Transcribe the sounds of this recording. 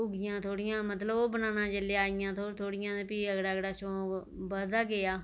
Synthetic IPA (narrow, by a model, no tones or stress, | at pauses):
ʊɡɪjãːt̪ʰoːɽɪjãːmət̪ləboːbənaːnãːd͡ʒəleaːɪjãːt̪ʰoːt̪ʰoːɽɪjãːpiːəɡɽaːɡɽaːʃõː | bəd̪aːɡɪaː